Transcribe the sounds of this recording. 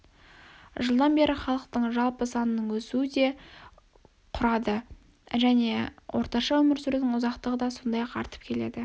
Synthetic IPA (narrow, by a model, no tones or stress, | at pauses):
ʒəlˠd̪ɑnbe̞ɾʔɪχɑlˠəqt̪əɴʒɑlˠpəsɑnənəɴwɵsuɪd̪e̞ | qʰʊɾɑd̪ə | ʒæne̞wʔo̞ɾt̪ɑʃɑwɵmɪɾsʏɾd̪ɪŋʊzɑqt̪əʁəd̪ɑso̞nd̪ɑjɑqʰɑ̰ɾt̪əpkʲʰe̞le̞̰d̪ɪ